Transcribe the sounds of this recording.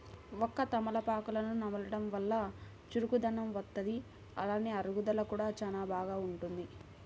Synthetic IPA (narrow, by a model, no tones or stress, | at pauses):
ɔkːɐt̪ɐmɐlɐpaːkulɐnunɐmɐlɐɽɐmʋɐlːɐ | t͡ʃuɾukud̪ɐnɐmʋɐt̪ːɐd̪i | ɐ̰laːniɐɾuɡud̪ɐlɐkuːɽaːt͡ʃaːnaːbʱaːɡaːuɳʈund̪i